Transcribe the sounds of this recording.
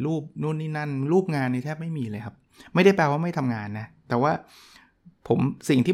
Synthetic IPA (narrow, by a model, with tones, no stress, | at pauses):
luː˥˩p̚nu˥˩niː˥˩na˥˩nɾuː˥˩p̚ŋaː˧nːi˧˩t̪ʰɛː˥˩p̚ma˥˩jmiː˧lɤː˧jkʰa˦˥p̚ | ma˥˩jda˥˩jplɛː˧waː˥˩ma˥˩jt̪ʰa˧mŋaː˧nːa˦˥t̪ɛː˨˩waː˥˩ | pʰo˩˦msi˨˩ŋt̪ʰiː˥˩